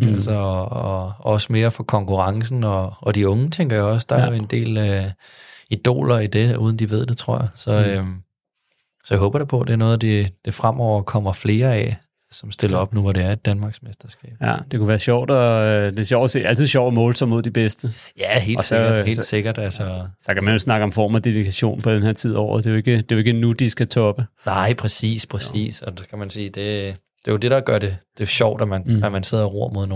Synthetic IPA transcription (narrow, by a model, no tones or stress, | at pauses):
ælsɐɒɒ̽səme̝ːɐfɒ̽kʰɒ̽ŋkuʁɑ̈ŋs̬n̩ɒ̽ːd̥iɔ̽ŋət͡sʰeŋ̰ɡ̥ɐjaɒ̽s̬d̥ɑ̈æɐjoend̥e̝̰ːl | id̥o̝̰ːlɐid̥e̝ṵð̞ˠn̩d̥iʋe̝ð̞̰ˠd̥e̝t͡sʰʁo̝ɐ̰jɑsɒ̽øm | sɒjäɦɔ̽ːb̥ɐɾ̥epʰɒ̽d̥eæɐnɔ̽ːð̩ˠd̥ed̥e̝fʁam̰ʔɒʊ̰ɐkʰɒ̽m̰ɐfle̝ːɐɛ | sɒ̽msd̥e̝lɐɒ̽b̥̚nuʋɒɾe̝æɐid̥ænmɑ̈ːɡ̥smesd̥ɐsɡ̥ɛ̰ːb̥d̥e̝kʰuʋæːɐɕɒʊ̰d̥ɒd̥e̝ɕjɒʊ̰se̝̰ːæl̰t͡sʰiðˠɕɒʊ̰mɔ̽ːlt͡sʰɒmo̝ð̰ˠd̥ib̥esd̥ə | jæɦe̝̰ːl̥sɡɐ̥he̝̰ːd̥seɡ̥ɐd̥ælsɒsɒkʰæmænʋelsnɑ̈ɡ̥əɒ̽mfɒ̰ːmfɒ̽d̥edikʰæɕo̝̰ːnpʰɒ̽d̥enhe̝ɐ̰t͡sʰið̞̰ˠɒ̰ʊ̰ð̩ˠd̥e̝joe̝ɡ̥əd̥e̝joe̝ɡ̥ənud̥isɡ̥æt͡sʰɒ̽b̥ənɑɪpʰʁɛsḭːspʰʁɛsḭːsɒ̽dkʰæmænsiːd̥e̝ | d̥e̝jod̥e̝ɾ̥ɑ̈ɡ̥ɶɐ̰ɾ̥e̝d̥e̝ɕɒʊd̥æmænæmænse̝ð̞̰ˠɐʁo̝ɐ̰mo̝ð̞̰ˠno